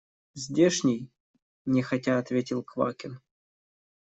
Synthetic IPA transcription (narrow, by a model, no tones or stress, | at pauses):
zʲdʲeʂnʲɪj | nʲɪxɐtʲaɐt̪vʲetʲɪlˠkva̰kʲɪn